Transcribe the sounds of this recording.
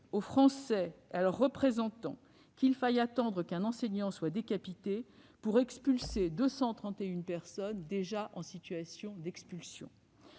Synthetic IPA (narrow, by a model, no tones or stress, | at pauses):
ofχɑ̃sɛalœʁːəpχezɑ̃t̪ɑ̰̃ | kilfajat̪ɑ̃d̪ʁəkɛ̃nɑ̃sɛɲɑ̃swad̪ekapit̪epuʁɛkspylsed̪øsɑ̃t̪χɑ̃t̪eynpɛʁsɔnd̪eʒaʔɑ̃sit̪ɥasjɔ̃d̪ɛkspylsjɔ̰̃